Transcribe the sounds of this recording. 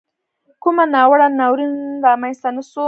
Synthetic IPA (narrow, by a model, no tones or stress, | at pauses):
kʊmanɑwaɽanawɾinɾamanst̪anaso